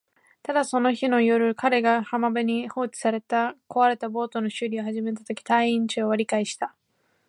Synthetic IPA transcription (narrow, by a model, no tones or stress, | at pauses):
t̪ad̪aso̞no̞çino̞jo̞ɾɯ̟kaɾe̞ɡahamabɯɲ̟iho̞ːt͡ɕi̥saɾe̞t̪ako̞βaɾe̞t̪abo̞ːt̪o̞no̞ɕɨɾʲioɦaʑime̞t̪at̪o̞kʲi̥t̪aiĩɲt͡ɕɨoβaɾʲikaiɕi̥t̪a